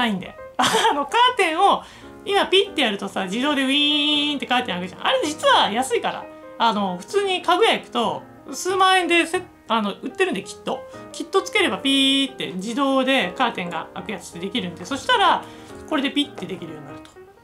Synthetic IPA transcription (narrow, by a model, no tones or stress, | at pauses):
aĩnd̪ḛano̞kaːt̪ẽ̞ɰ̃o̞ | imapʲit̪ːe̞jaɾɯ̟t̪o̞sad͡ʑid̪o̞ːd̪e̞ɯ̟ĩnt̪ːe̞kaːt̪ẽ̞akɯ̟ʑã̰ʔa̰ɾe̞d͡ʑit͡sɨβajasɨikaɾa̰ | ano̞ɸɯ̟̥t͡sɨːɲ̟ikaɡɯ̟jaikɯ̟̥t̪o̞ | sɨːmaːẽ̞nd̪e̞se | ano̞ɯ̟t̪ːe̞ɾɯ̟̃nd̪e̞kʲi̥t̪ːo̞kʲit̪ːo̞t͡sɨ̥ke̞ɾe̞bapʲit̪ːe̞̰d͡ʑid̪o̞ːd̪e̞kaːt̪ẽ̞ŋɡa̰akɯ̟jat͡sɨ̥t̪ːed̪e̞kʲiɾɯ̟̃nd̪eso̞ɕi̥t̪aɾa | ko̞ɾe̞d̪e̞pʲit̪ːe̞d̪e̞kʲiɾɯ̟joɲinaɾɯ̟t̪o̥